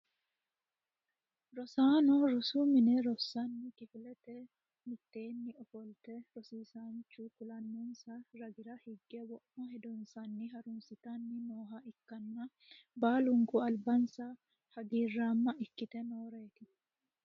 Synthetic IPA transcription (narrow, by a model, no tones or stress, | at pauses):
ɾɔsaːnɔɾɔsumɪnɛɾɔsːanːɪkɪfɪlɛt̪ɛ | mɪt̪ːe̞ːnːɪɔfɔlt̪ɛɾɔsiːsaːnt͡ʃːukʊlɐnːɔnsɐɾɐɡɪɾɐhɪɡːɛwɔʔmɔhɛd̪ɔnsɐnːɪɦɐɾʊnsɪt̪anːɪnoːɦɐɪkːɐnːɐ | baːlʊŋkʊɐlbɐnsɐ | hɐɡiːrːaːmːɐʔɪkːɪt̪ɛnoːɾe̞ːt̪ɪ